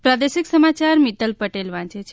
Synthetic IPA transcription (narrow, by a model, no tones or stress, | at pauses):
pɾad̪eʃiksəmat͡ʃaɾmit̪əlpəʈelʋãt͡ʃet͡ʃʰe